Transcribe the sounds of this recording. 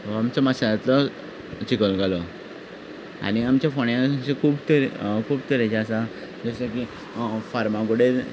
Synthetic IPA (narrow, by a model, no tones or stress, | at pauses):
amt͡səmasaɾat̪lɔ | t͡ɕikəlɡʱalɔ | a̰ñiamt͡ɕjafoɳjãaɕekʰuːbt̪əɾkʰuːb̚t̪əɾat͡ɕaasa | d͡zəsəki | faɾmãɡoɽeɾ